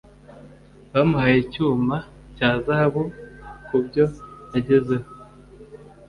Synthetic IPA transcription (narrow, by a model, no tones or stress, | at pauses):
βamuhajicuːma | caːzahaβukubɟo̞jaɟe̞zeho